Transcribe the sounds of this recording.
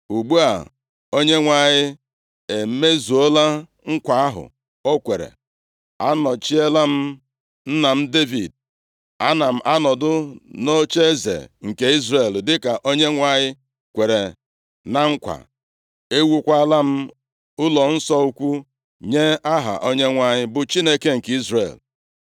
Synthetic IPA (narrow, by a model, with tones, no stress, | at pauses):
u˨ɡ͡bu˦a̰˨ | o˦ɲe˦ŋʷa˨ɲɪ˦ | e˨m̩˦me˦zu˨o˦la˦ | ŋ̩˦kʷa˨˦a˦ɦʊ̰˨ | o˦kʷe˨ɾḛ˨ | a̰˦nɔ˨t͡ʃi˦e˦la˦m̩˦ | n̩˦na˨m̩˦de˦vi˨d̚ | a˦na˨m̩˦ʔa˦nɔ˨dʊ˦no˦t͡ʃe˦zḛ˨ŋ̩˨ke˦i˦zre˨ldɪ˦ka˨ʔo˦ɲe˦ŋʷa˦ɲɪ˦ | kʷe˨ɾe˨ | na˨ŋ̩˦kʷa̰˨ | e˦wu˦kʷa˦la˦m̩˦ | ʊ˦lɔ˨n̩˦sɔ˦u˦kʷu˦ | ɲe˦a˦ɦa̰˨ʔo˦ɲe˦ŋʷa˦ɲɪ˦bʊ˨t͡ʃi˦ne˦ke˦ŋ̩˨ki˦zrḛ˨l